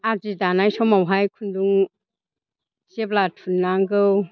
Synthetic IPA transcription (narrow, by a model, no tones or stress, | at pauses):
azidanajsɔmawɦajkʰunduŋ | zeblatʰunːaŋɡɯw